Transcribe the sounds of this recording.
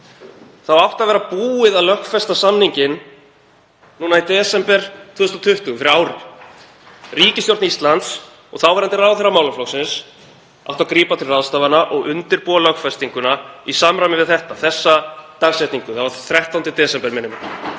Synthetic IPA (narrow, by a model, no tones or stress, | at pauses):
θawawht̪aðvɛɾapuːɪðaðlœhkfɛst̪asamniɲcɪn | nuːnait̪ɛːsɛmpɛɾ̥t̪ʰvʏːʏst̪ɔt̪ʰʏht̪ʏfɪɾɪɾaːwɾɪ̰̥ | riːcɪst̪jowrt̪nist̪lant̪s | ɔɣθawvɛɾant̪ɪrawθɛrːamaːwlaflɔwsɪns | awht̪akɾiːpat̪ʰɪlraðst̪aːvanaʔɔɣʏnt̪ɪɾpuːalœhkfɛst̪iŋkʏnaisamɾajmɪvɪðθɛht̪aθɛsːat̪aɣsɛjt̪niŋkʏ̥θavaɾθɾɛht̪awnt̪ɪt̪ɛːsɛmpɛɾmɛnːɪmɪn